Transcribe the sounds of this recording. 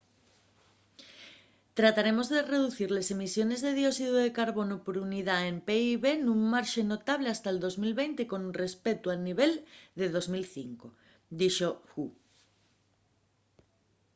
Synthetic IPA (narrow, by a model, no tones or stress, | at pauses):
t̪ɾat̪aɾemozðereðuθiɾlesemisjonezðeðjosiðoðekaɾβonopoɾuniðaempeiβenũŋmaɾʃenot̪aβ̞least̪aeld̪ozmilβejnt̪ekõ̞nrespet̪uaniβ̞eld̪eð̞ozmilθiŋko | d̪iʃoxu